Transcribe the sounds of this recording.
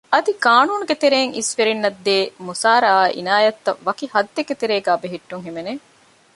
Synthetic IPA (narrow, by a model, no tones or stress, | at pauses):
ɐd̪ikaːnuːnuɡet̪eɾeːŋisfeɾinːɐd̪ːeːmusaːɾɐaːʔḭnaːjɐt̪ːɐʋɐkihɐd̪ːeket̪eɾeːɡaːbeɦiʈːuŋɦimene